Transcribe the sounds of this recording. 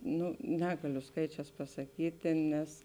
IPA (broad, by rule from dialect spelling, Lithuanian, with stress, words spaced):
ˈnʊ ˈnʲæːɡɐlʲʊ ˈskɐɪt͡ʃʲɛːs pɐsɐˈkʲiːtʲeː nʲɛs